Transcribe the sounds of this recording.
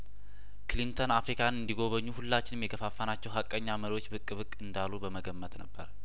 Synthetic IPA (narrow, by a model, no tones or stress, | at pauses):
kʰɨlint̪ʰonafɾikʰanɨnd̪iɡo̞βəɲːuhulːat͡ʃːɪnɨmjɛkʰəfafːanat͡ʃːɛwɦakʼːəɲːaməɾiwo̞t͡ʃːbɨkʼːbɨkʼːɨnd̪alːubəməɡəmːət̪nəbːəɾ